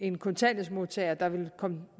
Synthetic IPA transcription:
e̝nkʰo̽nt͡sʰænəsmo̝ðˠt͡sʰɛɪɐd̥ɑ̈ʋe̝lkʰɒ̽mə

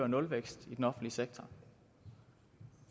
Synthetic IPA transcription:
ɐnɔ̽lʋeɡ̥sd̥id̥enɒ̽fn̩dliəseɡ̥̚t͡sʰɐ

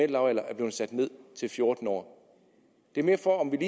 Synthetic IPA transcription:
el̰ɑ̈ʊæl̰ɐʔæɐb̥le̝ːð̩ˠsæd̥ne̝ð̞̰ˠt͡sʰe̝lfjo̝ɐd̥n̩ɒ̰ː | d̥e̝æɐme̝ːɐfɒ̽ɒ̽mʋiliː

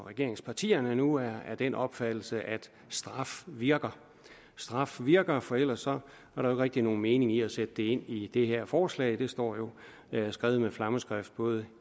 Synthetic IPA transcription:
ʁɛɡ̥e̝ɐ̰eŋspʰɑ̈t͡sʰḭːɐnənuæɐæɐd̥enɒ̽b̥fæd̥l̩səʔæd̥ | sd̥ʁɑ̈fʋiɐɡ̥ɐ | sd̥ʁɑ̈fʋiɐɡ̥ɐfɒ̽el̰ɐsːɒ̽ | æɐɾɑ̈oe̝ɡ̥ʁeɡ̥̚d̥ino̝ːn̩me̝ːne̝ŋiæsed̥əd̥e̝e̝n̰id̥e̝ɦeɐ̰fɒːslɛ̰ɪd̥e̝sd̥ɒ̰ːjo̝ | sɡ̥ʁɛːʊð̞̩əmeflɑ̈məsɡ̥ʁafd̥̚b̥ɔ̽ːð̞ˠə

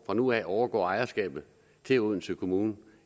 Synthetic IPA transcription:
fʁɑ̈nuɛɒʊɐɡ̥ɒ̰ːɑ̈ɪɐsɡ̥ɛ̰ːb̥ð̩ˠ | t͡sʰe̝uð̰ˠn̩səkʰo̝muːn

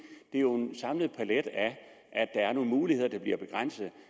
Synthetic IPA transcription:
d̥e̝æjo̝e̝nsɑ̈mləð̞̩ˠpʰæled̥æ | ʔæd̥d̥ɑ̈æɐno̝ːnmuːlihe̝ð̞̰ˠɐd̥ɑ̈b̥liɐb̥e̝ɡ̥ʁɑn̰səð̩ˠ

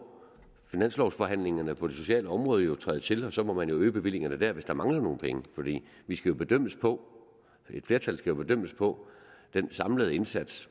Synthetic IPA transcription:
finæn̰slɒʊsfɒ̽ɦæn̰le̝ŋɐnəpʰɒ̽d̥eso̝ɕɛ̰ːləɒ̽mʁɔ̽ːð̞ˠəjo̝t͡sʰʁɑːð̩ˠt͡sʰe̝lɒ̽sɒ̽mɒ̽mænjo̝øːb̥e̝ʋil̰e̝ŋɐnəd̥æɐ̰ʋe̝sd̥ɑ̈mɑ̈ŋlɐno̝ːn̩pʰeŋəfɒ̽d̥ḭː | ʋisɡ̥æjo̝b̥e̝d̥øm̰əspʰɒ̽ | e̝d̥fle̝ɐt͡sʰælsɡ̥æjo̝b̥e̝d̥øm̰əspʰɒ̽d̥ensɑ̈mləð̞̩ˠe̝nsæd̥s

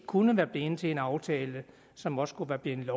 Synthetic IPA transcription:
kʰunəʋæːɐb̥leːnt͡sʰe̝e̝nɑ̈ʊt͡sʰɛːlə | sɒ̽mɒ̽skʰuʋæɐb̥len̩lɒ

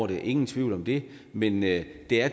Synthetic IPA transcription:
ɾeʔe̝ŋn̩t͡sʰʋiʊ̰lɒ̽md̥e̝mend̥e̝æɐ

